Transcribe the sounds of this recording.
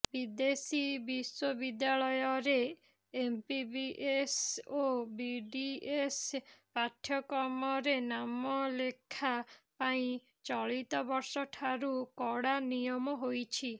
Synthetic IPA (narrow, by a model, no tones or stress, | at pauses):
bid̪esibiswɔbid̪jaɭɔjɔɾeː | mpibiʔesobiɖiespaʈʰjɔkɔmɔɾenamɔlekʰapaĩ | t͡ʃɔɭit̪ɔbɔɾsɔʈʰaɾukɔɽanijɔmɔɦojt͡ʃʰi